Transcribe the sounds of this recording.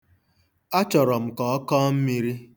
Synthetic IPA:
a˦t͡ʃɔ˨ɾɔ˨m̩˨kɔ˨˦kɔ˦m̩˦mi˦ɾi˦

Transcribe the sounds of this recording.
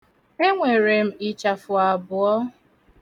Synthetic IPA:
e˦ŋʷe˨ɾe˨m̩˨ɪ˨t͡ʃa˨fʊ˨a˨bʊ˨ɔ˦

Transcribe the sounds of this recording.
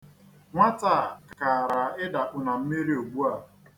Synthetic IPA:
ŋʷa˦ta˨ka˨ɾa˨ɪ˦da˨k͡pʊ˨na˨m̩˦mi˦ɾi˦o˨ɡ͡bu˦a˨

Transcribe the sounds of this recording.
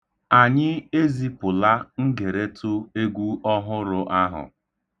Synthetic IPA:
a˨ɲɪ˦e˦zi˦pʊ˨la˦ŋ̩˦ɡe˨ɾe˦tʰʊ˦e˦ɡʷu˦ɔ˦ɦʊ˦ɾʊ˦ʔa˦ɦʊ̰˨

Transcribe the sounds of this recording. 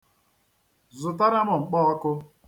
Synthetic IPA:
zʊ˨ta˦ɾa˦mʊ˨ŋ͡m̩˨k͡pɔ˦ɔ˦kʊ˦

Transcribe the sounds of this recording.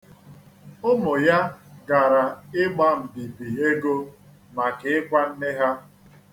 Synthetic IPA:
ʊ˦mʊ˨ja˦ɡa˨ɾa˨ɪ˦ɡ͡ba˦m̩˨di˨bi˨e˦ɡo˦ | ma˨kɪ˨ɪ˦kʷa˦n̩˦ne˦ɦa˦

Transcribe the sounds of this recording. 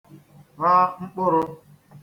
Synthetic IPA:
ɾa˦ŋ͡m̩˦k͡pʊ˦ɾʊ˦

